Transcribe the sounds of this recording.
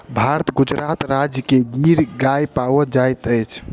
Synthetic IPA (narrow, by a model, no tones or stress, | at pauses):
bʱaɾət̪ɡud͡ʒɾat̪ɾad͡ʒjəkeɡiɾɡajpawɔd͡ʒajt̪əjt͡ʃʰ